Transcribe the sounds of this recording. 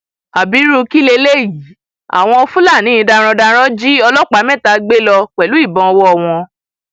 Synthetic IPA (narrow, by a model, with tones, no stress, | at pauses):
a˨bi˨˦ɾu˦˧ki˦le˧le˦˨ji˨˦ | a̰˨w̃ɔ̃˧ɔ˧fũ˦la˦˨nĩ˨˦ĩ˧da˧ɾ̃ɔ̃˧da˧ɾ̃ɔ̃˦d͡ʒi˦ɔ˧lɔ˦k͡pa˨˦mɛ̃˦˨ta˧ɡ͡be˦lɔ˧k͡pɛ˨lu˨˦i˦˨bɔ̃˧wɔ˦ɔ˨w̃ɔ̃˧